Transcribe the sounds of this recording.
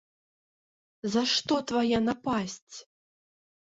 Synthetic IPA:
zɐʂt̪ɔt̪vajɛnapasʲt͡sʲ

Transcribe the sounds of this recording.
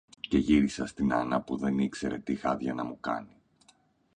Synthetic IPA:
ce̞ʝiɾisɐst̪inɐnɐpuðe̞nikse̞ɾe̞̰t̪ixɐðʝɐnɐmukɐ̰ni

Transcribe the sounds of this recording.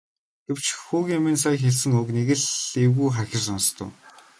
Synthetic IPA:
ɡ̥ew̥t͡ɕxuːɣʲemĭːns̬aj̆xeɮsɘ̆ŋɵkneɣɘ̆ɮewɣuːχaxʲɪ̆rsɔnst̪ʰʊ̰̆ː

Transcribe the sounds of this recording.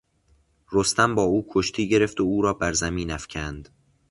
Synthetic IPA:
ɾost̪ʰæmbɒːuːkʰoʃt̪ʰiːɟe̞ɾe̞ft̪ouːɾɒːbæɾzæmiːnæfcʰænd̪̥

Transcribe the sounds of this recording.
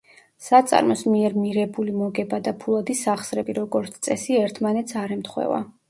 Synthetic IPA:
sat̪sʼa̰ɾmɔsmiɛɾmiɾɛbulimɔɡɛbad̪apʰulˠad̪isaχsɾɛbiɾɔɡɔɾt̪sʰt̪sʼɛsiɛɾt̪ʰmanɛt̪sʰaɾɛmt̪ʰχwɛ̰va̰

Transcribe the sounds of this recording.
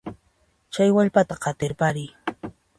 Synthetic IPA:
t͡ʃajwaʎpat̪aɢɑt̪ɪɾpaɾɪj

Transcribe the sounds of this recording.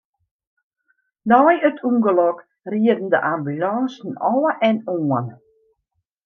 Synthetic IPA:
dɔjətʰuŋɡəlɔk | riədən̩dəʔambylɔːsn̩ɔləʔɛnɔən

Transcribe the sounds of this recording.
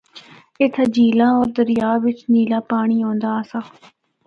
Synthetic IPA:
ɪt̪ʰd͡ʒiːlãːɔːɾd̪əɾɪjaːʋɪt͡ʃniːlãːpaːɽ̃iːõːnd̪aːsaː

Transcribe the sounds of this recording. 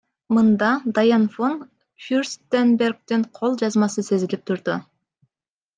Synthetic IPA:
mɨnd̪ɑd̪ajanfon | fʲurst̪enbʲe̞rɡ̚t̪ɪɴqʰolˠd͡ʒɑzmɑsɯse̞zilip̚t̪ʰʊɾd̪ʊ

